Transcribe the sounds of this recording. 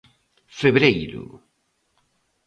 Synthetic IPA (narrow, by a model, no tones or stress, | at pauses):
feβɾejɾṵ